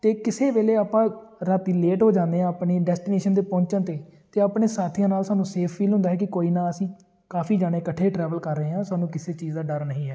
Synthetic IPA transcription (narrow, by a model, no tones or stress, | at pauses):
t̪eːkɪseːʋeːleːaːpãːɾət̪ileːʈɦoːd͡ʒãːnd̪eːãːəpɳeːɖɛːsʈɪneːʃənt̪eːpɔ̃ːɲt͡ʃãːt̪eːt̪eːaːpɳeːsaːt̪ʰijãːnaːlsaːnũːseːpʰfiːlɦʊ̃nd̪aːɦɛːkɪkoːiːnaːəsĩː | kaːfiːd͡ʒaːɽ̃eːkəʈʰːeːʈɾɛːʋəlkəɾːəɦeːɦãːsaːnũːkɪseːt͡ʃiːzd̪aːɖəɾnəɦĩːɛː